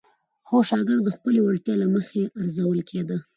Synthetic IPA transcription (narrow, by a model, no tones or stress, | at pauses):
xoʃɑɡɪɽd̪̚d̪əxpəlewaɽt̪jɑlaməxeaɾzawəlkʰed̪ə